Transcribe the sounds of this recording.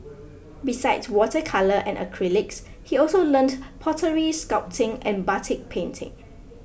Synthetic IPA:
bisaɪdswɔtəkʰaləʔɛ̰̃nə̰kʰɹilɪks | hiɔlsolə̃ndpʰɔtəɹiskap̚tʰɪ̃ŋɛ̰̃nbatʰɪk̚pʰẽntʰɪ̰̃ŋ

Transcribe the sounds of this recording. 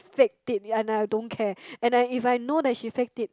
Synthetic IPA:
fɛk̚tit̚ɛ̃najdõnkʰɛɛ̃najifajnodɛt̚ʃifɛk̚tit̚

